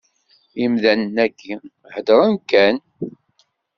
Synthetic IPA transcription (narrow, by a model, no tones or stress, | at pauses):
imðænənːækːi | həd̪əɾˤənkæn